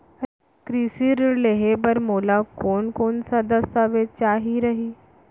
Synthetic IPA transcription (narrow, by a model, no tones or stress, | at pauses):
kɾisiːɾleɦebəɾmoːlakoːnkoːnsad̪əsaʋet͡ʃaːɦiɾəɦiː